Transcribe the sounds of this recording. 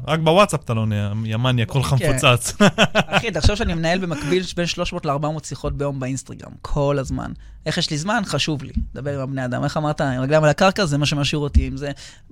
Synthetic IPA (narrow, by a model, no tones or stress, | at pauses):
ʁakbewatsapt̪aloneajamanjakolχamkfot͡sat͡saχid̪aχʃavʃeanimenae̞lbe̞makbilbe̞nʃlo̞ʃmoːtleaʁbamotsiχo̞t̚bejo̞mbeinst̪aɡʁa̰mkʰo̞lazma̰n | e̞χjeʃlizmanχaʃuvlḭled̪abe̞ʁimabne̞ad̪a̰mʔe̞χamaʁt̪aʁaɡlamalakaʁkazemaʃemaʃiʁot̪iimze